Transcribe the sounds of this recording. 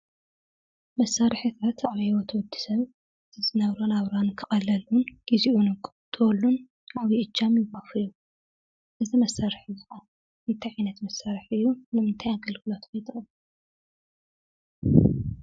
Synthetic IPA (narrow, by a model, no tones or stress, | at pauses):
mɐsːaɾɨħit̪ʰat̪aβwot̪ʰɐwɔd̪ːi̥sɐβ | ɨzʰɨzɨnɐβɾonaβɾankʰɨxʼɐlɐlunɡ̥iziʔunɨkʼ | t̪ʰɨwɔlːun | aβiʔɨt͡ʃːamjɪmafɨlju | ʔɨzimɐsːaɾɨħɨzɨka | met̪ʰiʕajnɐt̪mɐsːaɾɨħɨjːunɨmɨnt̪ʰajaɡɨlɡɨlot̪kʰojt̪ʰʼɨxʼɨl